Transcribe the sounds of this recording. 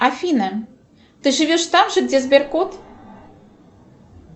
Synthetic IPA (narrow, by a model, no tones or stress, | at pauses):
afʲinə | t̪ɨʒɨvʲeʃt̪ɑmʒɤ̆ɡdʲezbʲerkot̪